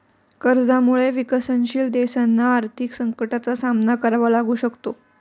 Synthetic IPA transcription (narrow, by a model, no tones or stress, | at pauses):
kəɾd͡zamuɭeʋikəsənɕiːld̪esanːaːɾt̪ʰiksəŋkəʈat͡sasamnakəɾʋalaɡuːɕəkt̪o